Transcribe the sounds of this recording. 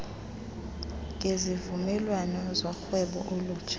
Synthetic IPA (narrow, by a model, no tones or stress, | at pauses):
ŋʱezivumɛlwanɔzɔxwɛɓɔ̰ʔolu̥ːt͡ʃʰʼḁ